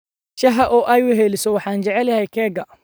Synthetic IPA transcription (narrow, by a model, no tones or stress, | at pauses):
t͡ʃɐɦɐʔɔʔɐjʊɦɛlɪsɔwɑħɑːnt͡ʃɛʕɛlɐɦɛjkʰɛːɡɐ